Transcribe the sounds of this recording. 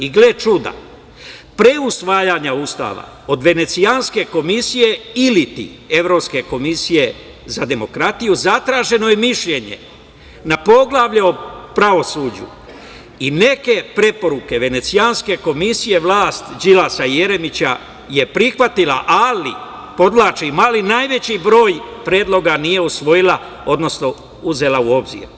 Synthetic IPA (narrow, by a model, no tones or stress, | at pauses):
iɡlet͡ʃud̪a̰ | pɾe̞usʋaːjaɲaust̪a̰ːʋa̰ | o̞d̪ʋe̞ne̞t̪sijanske̞ko̞misije̞ilit̪ḭe̞ʋɾo̞ːpske̞ko̞misije̞ | zad̪e̞mo̞kɾat̪ijuzat̪ɾaːʒe̞no̞jemiʃʎe̞ɲḛ | napo̞ɡlˠaʋʎeopɾaʋo̞suːd͡ʑṵ | ine̞ke̞pɾe̞po̞ɾuke̞ʋe̞ne̞t̪sianske̞ko̞misije̞ʋlaːst̪d͡ʒilasaje̞ɾe̞mit͡ɕa | je̞pɾixʋat̪ilaʔali | po̞d̪ʋlaːt͡ʃimalinaːjʋe̞t͡ɕibɾo̞ːjpɾje̞ːd̪lˠo̞ɡanije̞usʋo̞jila | o̞d̪no̞sno̞ | uze̞lauo̞bzḭːɾ